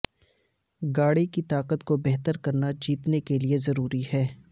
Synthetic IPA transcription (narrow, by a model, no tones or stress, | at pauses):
ɡaːɽikit̪aːqət̪kobɛɦt̪əɾkɐɾnad͡ʒiːt̪nekeliezɐɾuːɾihɛː